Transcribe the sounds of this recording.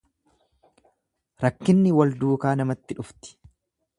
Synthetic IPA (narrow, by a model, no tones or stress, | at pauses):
ɾɐkːɪnːɪwɐld̪uːkaːnɐmɐt̪ːɪᶑʊft̪ɪ̥